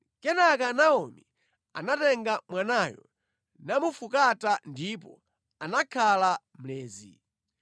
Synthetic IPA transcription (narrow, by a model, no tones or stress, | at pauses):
kɛnakanaɔmi | a̰natɛŋɡamwanaːjɔ̰ | namufukatandipɔ | anakʰala | m̩lɛːzḭ